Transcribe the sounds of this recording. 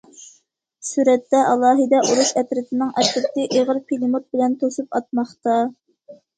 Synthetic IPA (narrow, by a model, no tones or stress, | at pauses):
syɾɛt̪ːɛʔɑlˠɑːɦɨd̪ɛʔuɾuʃɛpɾɪt̪ʰɪnɪŋɛpɾɪt̪ɪʔeʁəɾpʰilimot̪̚bɪlɛnt̪ʰosupɑt̪̚mɑχt̪ɑ